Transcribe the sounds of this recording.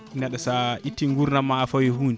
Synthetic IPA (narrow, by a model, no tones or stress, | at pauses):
inaɗasaʔitːiŋɡuɾnamafɔjɛhuːnd͡ʒ